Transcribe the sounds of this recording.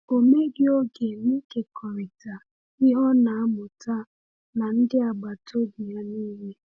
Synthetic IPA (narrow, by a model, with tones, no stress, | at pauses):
o˨me˦ɡɪ˦o˦ɡe˨mi˦ke˨kʰɔ˨ɾɪ˨ta˨ | i˦ɦɔ˦na˨a˦mʊ˨ta˦ | na˨n̩˦dɪ˦a˨ɡ͡ba˨to˦bi˨ja˦niː˦ɦe˦